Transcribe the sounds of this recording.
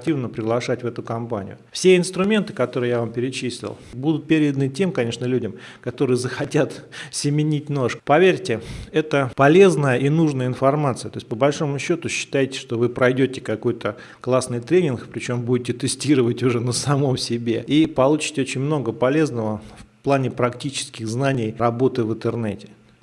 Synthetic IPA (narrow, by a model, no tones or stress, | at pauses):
k̚tʲivnəpɾʲɪɡlˠɐʂatʲvɛt̪ʊkɐmpanʲɪ̰jʊ̰fsʲeɪnst̪ɾʊmʲe̞nt̪ɨ̥kɐt̪oɾɨjavampʲɪɾʲɪt͡ɕisʲlʲɪ̰lˠbud̪ʊt̪̚pʲeɾʲɪd̪ənɨtʲe̞mkɐnʲe̞ʂnəlʲudʲɪmkɐt̪o̞ɾɨjəzəxɐtʲat̪sʲɪmʲɪnʲit̚ʲno̞ʂkpɐvʲeɾʲtʲɪɛt̪əpɐlʲe̞znəjəʔinuʐnəjəɪnfɐrmat̪sɨət̪o̞sʲt̚ʲpəbɐlʲʂo̞mʊɕːo̞t̪ʊɕːɪ̥t̪ajɪtʲɪ̥ʂt̪o̞vɨpɾɐjdʲotʲɪ̥kɐko̞jt̪ʰə | klˠasnɨjt̪ɾʲenʲɪnkpɾʲɪt͡ɕo̞mbudʲɪtʲɪt̪ɨsʲtʲiɾəvətʲʊʐɛnəsɐmo̞msʲɪbʲe̞ipɐlˠut͡ɕɪ̥tʲɪot͡ɕɪnʲmno̞ɡəpɐlʲe̞znəvəfplˠanʲɪpɾɐktʲit͡ɕɪ̥skʲɪxznanʲɪjrɐbo̞t̪ɨvɨnt̪ɨrnɛtʲɪ̥